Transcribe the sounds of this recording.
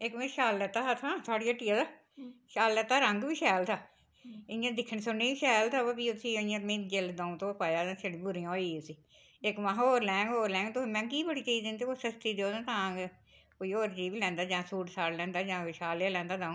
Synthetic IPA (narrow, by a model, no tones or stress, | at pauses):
ɪkʋẽːʃaːlːɛt̪ːaːɦət̪ʰãːt̪ʰʊaːɽijaːʈijaːd̪aː | ʃaːlːət̪ːaːɾəŋɡbiːʃɛːlt̪ʰaː | ɪɪjãːd̪ɪkʰːəɳsʊɳːiːiʃɛːlt̪ʰaːbaːbiːʊsiːijãːmẽːd͡ʒeld̪ãːũːt̪õːpaːjaːãːseɽbʊɾijãːiːʊsiː | ɪkʋãːɦoːɾlɛ̃ːŋɡɦoːɾlɛ̃ːŋɡt̪omɛ̃ːk̬iːbəɽiːt͡ʃiiːd̪ẽnt̪eoːsəst̪iːd̪eoːnãːt̪ãːɡ | koːiːoːɾd͡ʒiːbiːlɛ̃ːnd̪aːd͡ʒãːsuːʈsaːɽlɛ̃ːnd̪aːd͡ʒãːʃaːljaːlɛ̃ːnd̪aːd̪ãːũː